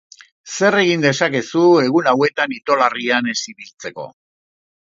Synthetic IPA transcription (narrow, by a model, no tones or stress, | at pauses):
se̞re̞ɣind̪e̞sake̞sue̞ɣulawe̞t̪anit̪o̞lariane̞siβilt͡se̞ko̞̰